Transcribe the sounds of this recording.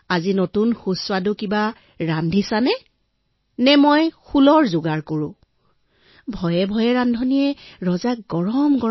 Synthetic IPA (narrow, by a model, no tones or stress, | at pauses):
azinotunxuswadʊkiba | ɹandʱisanɛ | nɛmojxulɔɹzʊɡaɹkoɹʊ̰̃ | bʱɔjɛbʱɔjɛɹandʱɔnijɛɹɔzak̚ɡɔɹɔmɡɔ